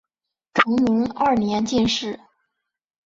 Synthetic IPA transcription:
ʈ͡ʂʰɤ˧˥ŋmi˧˥ŋa˥˩njɛ˧˥nt͡ɕi˥˧nʂɻ̩˥˩

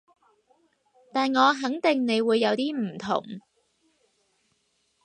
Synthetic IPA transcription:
t̪aː˨nŋɔː˨˧ɦɐ˨˥ŋt̪ɪ˨˩ŋne˨˧jwuː˨˧jːɐ˨˧wt̪iː˥m̩˨˩t̪ʰʊ̰˨˩ŋ

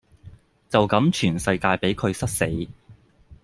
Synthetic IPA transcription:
t͡sɐ˨wkɐ˨˥mt͡ʃʰyː˨˩nsɐ˧jkaː˧jpe˨˥jkʰɵ˨˧ɥsɐ˥t̚se˨˥j

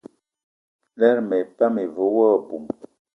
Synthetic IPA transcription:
lɛ˦ɾmɛ˨pa˦me˨vo˨˦wɔ˦˨bu˨m

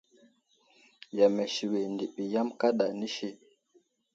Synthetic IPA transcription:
ja˨mɛ˨ʃi˨we˨ndi˨ɓi˨ja˦mka˦ɗa˨ni˦ʃi˦

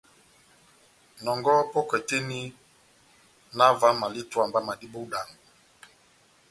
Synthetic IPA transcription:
nɔ˨ŋɡɔ˦pɔ˦kɛ˨te˦ni˦ | na˦va˦ma˨li˦twa˨mba˦ma˨di˦bo˦da˨ŋɡu˨

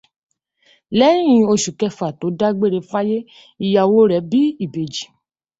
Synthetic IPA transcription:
lɛ˦ĩ˦ĩ˧˦o˧ʃu˨kɛ˧fa˨to˨˦da˦ɡ͡be˦ɾe˧˦fa˦je˦ | i˦˧ja˧wo˦ɾɛ˨˦bi˦i˦˨be˨d͡ʒi˨

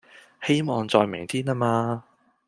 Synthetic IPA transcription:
he˥jmɔː˨˧ŋt͡sɔː˧jmɪ̰˨˩ŋt̪ʰiː˥na˥maː˧

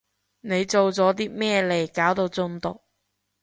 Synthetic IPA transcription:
ne˨˧jt͡so˨wt͡sɔː˨˥t̪̬iː˥mɛː˥le˨˩jkaː˨˥wt̪o˧wt͡sʊ˧ŋt̪ʊ˨k̚

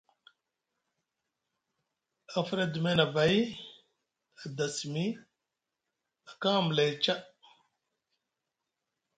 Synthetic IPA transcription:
a˨fa˦ɾa˦du˨me˦na˨ba˨˦j | a˨da˨si˨mi˦ | a˨ka˦˨m˨la˨jt͡ʃa˦

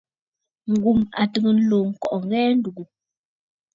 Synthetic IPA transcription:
ŋ̩˨ɡu˨ma̰˨tə˨ŋə˨n̩˦loː˨ŋ̩˨kɔ˨ʔɔ˨ŋ˦ɡɛː˦n̩˦du˨ɡu˨

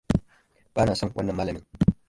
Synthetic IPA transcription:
ba˦na˨sa˦˨wa̰˦nːə˨ma˦lə˨mi˨

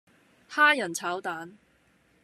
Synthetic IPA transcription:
haː˥jɐ˨˩nt͡sʰaː˨˥wt̪aː˨˥n

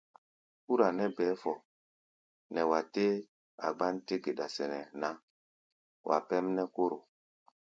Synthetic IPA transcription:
u˦ɾa˨nɛ˦bɛː˨˦fɔ˨ | nɛ˨wa˨te˦ | a̰˨ɡ͡ba˦nte˦ɡe˨ɗa˨sɛ˨nɛ˨na˦ | wʔa̰˨pɛ˦mnɛ˦ko˦ɾo˨

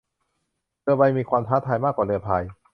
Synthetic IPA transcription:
lɯ˧əba˧jmiː˧kʰwaː˧mt̪ʰaː˦˥t̪ʰaː˧jmaː˥˩kwaː˨˩lɯ˧ɐpʰaː˧j

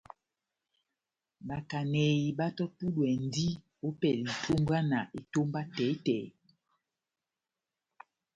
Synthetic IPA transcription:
ba˨ka˨nɛ˨i˨ɓa˦tɔ˦tu˦ɗwɛ˨n˦di˦ | o˦pɛ˨li˨tʰo˦ŋɡa˦na˨ʔe˨to˦mba˦tɛ˨˦tɛ˨˦

